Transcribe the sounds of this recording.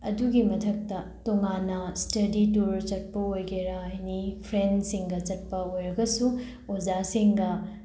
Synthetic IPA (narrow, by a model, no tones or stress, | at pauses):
ɐduɡimɐtʰɐk̚tɐtoŋanɐstɐdituɾt͡ʃɐt̚pɐojɡeɾɐɐjnipʰɾensiŋɡɐt͡ʃɐt̚pɐojɾɐɡɐsu | od͡ʒasiŋɡɐ